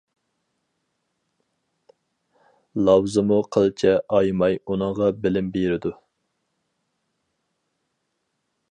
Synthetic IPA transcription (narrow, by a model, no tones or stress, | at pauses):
lˠɑwzɨmuqʰəlˠt͡ʃʰɛʔɑjmɑjunɨŋʁɑbɪlɪmbeɾɪd̪u